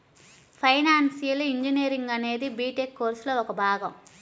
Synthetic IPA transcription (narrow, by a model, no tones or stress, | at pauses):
pʰɐjnaːnsijɐliɲd͡ʒiniːɾiŋɡɐne̞ːd̪ibiːʈekːoːɾsloːɔkɐbʱaːɡɐm